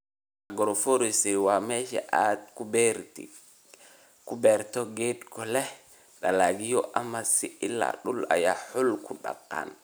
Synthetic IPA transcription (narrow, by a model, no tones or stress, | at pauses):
ʔaɡɔɾɔfoɾisɛwamɛʃɛ̰ʔatkubɛɾti | kubɛɾt̪ɔɡedkɔlɛ | ɗalaɡijɔʔamːasiʔilːa̰ɗula̰jahulkʰuɗa̰kːa̰n